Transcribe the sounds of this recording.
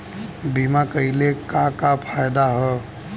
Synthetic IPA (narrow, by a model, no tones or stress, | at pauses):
bimakəilekakapʰaːjd̪aɦɛ